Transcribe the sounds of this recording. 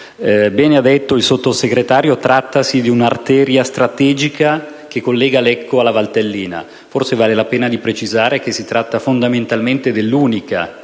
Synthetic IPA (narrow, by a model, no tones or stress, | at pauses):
bɛːnead̪et̪ːoilsot̪ːoseɡɾet̪aːɾjot̪ɾʔat̪ːasid̪iunart̪ɛːɾjast̪ɾat̪ɛːd͡ʒika | kekːolːɛːɡalɛkʰːoalːavalt̪elːiːna̰ | forsevaːlelapɛːnad̪ipɾet͡ʃizaːɾek̟esːit̪ɾat̪ːafond̪ament̪alment̪ed̪elːuːnika